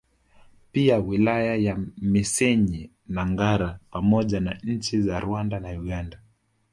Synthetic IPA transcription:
piawilajajamisɛɲi | naŋɡaɾapamɔʄanaɲ̩t͡ʃizaɾuandanauɠanda

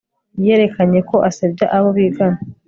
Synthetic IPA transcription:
je̞ːɾe̞kaɲe̞ko̞ʔasab̚ɟaʔaβoβiɡana

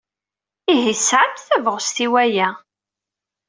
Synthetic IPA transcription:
iɦisʕat̪θævəʁst̪iwæjæ

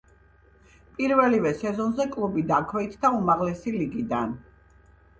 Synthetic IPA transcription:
pʼiɾvɛlivɛsɛzɔnzɛkʼlˠubid̪akʰwɛit̪ʰd̪aumaʁlɛsiliɡid̪an

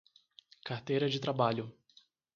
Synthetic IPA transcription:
kaɾt̪ejɾɐd͡ʒɪt̪ɾabaʎʊ

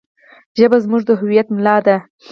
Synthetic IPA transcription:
ʒəbazmuʐd̪əɦʊwijat̪mlɑd̪a

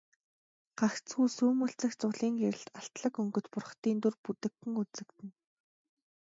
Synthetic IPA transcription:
ɢ̥axt͡sɡuːsuːmɵɬt͡sɘ̆xt͡sʊɮiːŋɡeɾɘ̆ɬt̪aɬt̪ɮə̆kɵŋɡɵ̆t̪pʊrχt̪iːnt̪ɵrput̪ɘ̆kːɘ̆ŋut͡sɘ̆kt̪ɘ̆n

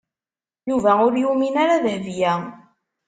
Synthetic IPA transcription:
juvæʊɾjuminaɾaðəhvjæ

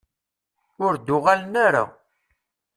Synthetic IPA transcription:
ʊɾd̪ʊʁalənaɾa̰

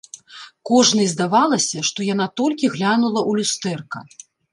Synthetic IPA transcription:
kɔʐnɨjzd̪avalˠɐsʲɐʂt̪ɔjan̪at̪ɔlʲkʲiɣlʲanulˠɐʔulʲust̪ɛrkɐ

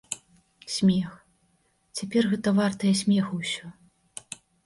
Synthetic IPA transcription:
sʲmʲɛx | t͡sʲapʲɛrɣɛt̪ɐvart̪ɐjɐsʲmʲɛxɐwsʲɔ

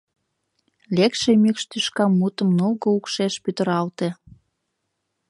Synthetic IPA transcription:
lekʃemykʃt̪yʃkɑmːut̪ə̆mnolɣoukʃeʃpyt̪əɾɑlt̪e

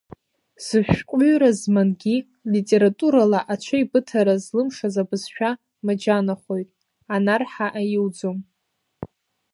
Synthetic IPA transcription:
z̥ɨʃʷᶣkʷʼʊɥɾazmanɡʲi | litʼe̞ɾatʼuɾalaʔat͡ʃʷʰaibɨtʰaɾazlɨmʂazabɨzʃᶣa | mad͡ʒanaχʷo̞jtʼ | anarħaʔajɪwd͡zom

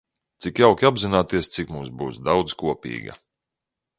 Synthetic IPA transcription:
t̪sikjawkʲabzinaːt̪iɛst̪sikmumsbuːsd̪awd̪zkuɔpʲḭːɡɐ̰

